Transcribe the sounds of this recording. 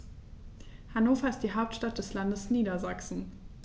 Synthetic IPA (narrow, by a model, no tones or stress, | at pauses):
hanoːfɐɪst̚d̥iːɦaʊp̚tʃtat̚d̥ɛslandəsniːɾɐzaksn̩